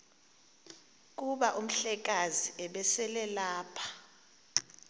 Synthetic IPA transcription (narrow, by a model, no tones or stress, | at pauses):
k̬ʼuɓaʔum̩ɬɛk̬ʼaziɛɓɛsɛlɛlaːpʰḁ